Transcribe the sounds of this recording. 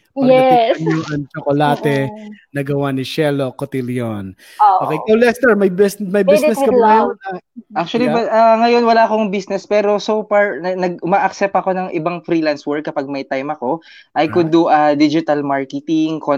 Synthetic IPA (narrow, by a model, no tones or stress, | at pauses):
pɛtɐɲoʔɐŋt͡ʃokolaːt̪ɛnɐɡɐwanɪʃɛlokot̪iljon | okejkɐwlɛst̪ɛɹmɐjbɛsmɐjbinɛskɐaɐjonɐʔak̚t͡ʃʊɐliɐŋɐjo̞nwɐlaɐko̞ŋbisnɛspɛːɾo̞sofaɹɐnɐɡ̚mɐʔɐksɛp̚t̪ɐko̞nɐŋʔɪ̰baŋfɾiːlanswɛɹkːɐpaɡ̚mɐjt̪ajmɐko̞ | ʔɐjkʊd̪uʔɐd̪id͡ʒɪt̪ɐlmaɹkɛt̪ɪŋko